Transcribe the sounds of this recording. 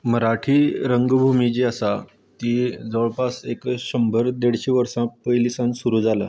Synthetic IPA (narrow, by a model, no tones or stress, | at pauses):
məɾaʈʰiːɾəŋɡbʱumid͡ʑiasa | t̪id͡zəʋɭpasekɕəmbʱəɾd̪eɽ̤ɕiːʋəɾsãpəjlisãnsuɾuːd͡zala̰